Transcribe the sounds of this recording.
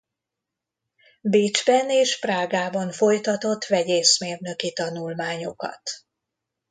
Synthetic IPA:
biːd͡ʒbɛneːʃpraːɡaːbɒɱfo̞jt̪ɒt̪o̞t̪ːvɛɟeːsmeːrnø̞kit̪ɒnulmaːɲo̞kɒ̰t̪

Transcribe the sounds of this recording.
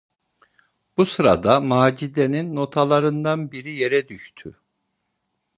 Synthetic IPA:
b̥usɯɾa̰d̪amaːd͡ʒid̪eninːo̞t̪ʰalˠaɾɯnd̪anbiɾije̞ɾɛd̪yʃt̪ʰy̰

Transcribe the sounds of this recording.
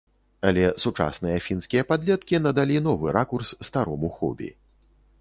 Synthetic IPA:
ɐlʲɛsut͡ʂa̰snɨjɐfʲinskʲijɐpad̪lʲɛt̪kʲinɐd̪alʲinɔvɨɾʔakursːt̪aɾɔmuxɔ̰bʲḭ

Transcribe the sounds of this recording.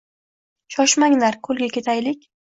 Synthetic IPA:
ʃɒʃmaŋlaɾkʰɵlɡʲakʲʰe̞t̪ʰajlɪkʲ

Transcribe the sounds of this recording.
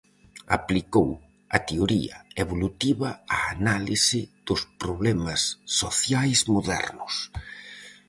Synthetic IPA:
a̰plikow | ɐt̪eoɾḭɐeβolut̪iβɐaːnalisɪð̥ʊspɾoβlɛmɐsːoθjajzmoðɛ̰ɾnʊs

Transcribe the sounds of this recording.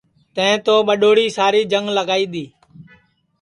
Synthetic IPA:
t̪ə̃ɪ̃ːt̪oːɓəɗoːɽiːsaːɾiːd͡ʒəŋɡləɡaːiːd̪iː

